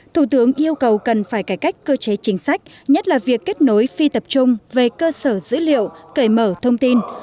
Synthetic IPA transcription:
t̪ʰu˧˩t̪ɨ˨˦əŋʔi˧əwkə˨˩wkə˨˩nfaː˧˩jkaː˧˩jka˦˥jk̟̚kəː˧t͡ɕe˨˦t͡ɕï˨˦ŋ̟sa˦˥jk̟̚ɲə˦˥t̚laː˨˩vi˨˩əkːe˦˥t̚no˨˦jfi˧t̪ə˨˩p̚t͡ɕʊ˧ŋ͡mve˨˩kəː˧səː˧˩zɨ̰˧˥lḭ˧˨əwkə˧˩jməː˧˩t̪ʰə˧wŋ͡mt̪i˧n

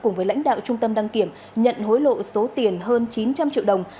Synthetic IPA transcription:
kʊ˧˩ŋ͡mvə˨˦jla̰˧˥jŋ̟ɗa̰ː˧˨wt͡ɕʊ˧ŋ͡mt̪ə˧mɗa˧ŋki˧˩əm | ɲə̰˧˨nɦo˨˦jlo̰˧˨so˨˦t̪i˨˩ənɦəː˧nt͡ɕi˨˦nt͡ɕa˧mt͡ɕḭ˧˨əwɗə˨˩wŋ͡m

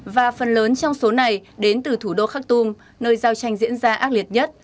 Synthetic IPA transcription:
vaː˨˩fə˨˩nləː˨˦nt͡ɕɔ˧wŋ͡mso˨˦na˨˩jɗe˨˦nt̪ɨ˨˩t̪ʰu˧˩ɗo˧xaː˦˥k̚t̪u˧m | nəː˧jzaː˧wt͡ɕa˧jŋ̟zḭ˧˥ənzaː˧ʔaː˦˥k̚li˨˩ət̚ɲə˦˥t̚

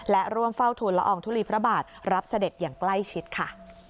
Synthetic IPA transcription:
lɛ˦˥ɾu˥˩əmfa˥˩wt̪ʰuː˧nlɛ̰˦ʔɔː˧˩ŋt̪ʰuː˦˥˩liː˧˩pʰɾa˦˥baː˨˩t̪̚ɾa˦˥p̚sa˧de˨˩t̪̚jaː˨˩ŋkla˥˩jt͡ɕʰi˦˥t̪̚kʰa˥˩

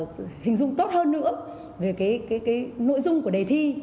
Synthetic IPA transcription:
hï˨˩ŋ̟zʊ̰˧˨ŋ͡mt̪o˦˥t̚həː˧nːɨ̰˧˥ə | ve˨˩kaː˨˦jkaː˨˦jkaː˨˦jno̰˧˥jzʊ˧ŋ͡mku˧˩əɗe˨˩t̪ʰi˧

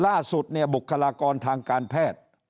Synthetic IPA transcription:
laː˥˩su˨˩t̪̚ni˥˩ɐbu˨˩kʰːa˧laː˧kɔː˧nt̪ʰaː˧ŋkaː˧npʰɛː˥˩t̪̚

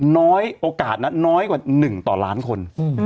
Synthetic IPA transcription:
nɔː˦˥jʔoː˧kaː˨˩t̪̚na˦˥nɔː˦˥jkwa˨˩nɯ˨˩ŋt̪ɔː˨˩laː˦˥nkʰo˧n

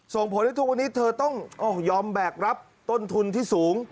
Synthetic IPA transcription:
so˨˩ŋpʰo˩˦nht̪ʰːkwa˧nːiː˦˥t̪ʰɤː˧t̪ɔ˥˩ŋʔɔː˧˩jɔː˧mbɛː˨˩k̚ɾa˦˥p̚ | t̪o˥˩nt̪ʰu˧nt̪ʰiː˥˩suː˩˦ŋ

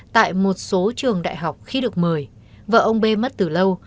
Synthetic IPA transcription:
t̪a̰ː˧˨jmo˨˩t̚so˨˦t͡ɕɨ˨˩əŋɗa̰ː˧˨jɦa˨˩wk͡p̚xi˧ɗɨ˨˩ə˩k̚məː˨˩j | və̰ː˧˩ʔə˧wŋ͡mɓe˧mə˦˥t̚t̪ɨ˨˩lə˧w

